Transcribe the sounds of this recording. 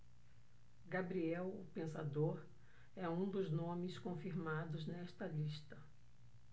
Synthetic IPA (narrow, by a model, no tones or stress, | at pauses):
ɡabɾiɛwʊpẽsa̰d̪oɾ | ɛũd̪ʊznõmɪskõfiɾmad̪ʊznɛst̪ɐliʃt̪ɐ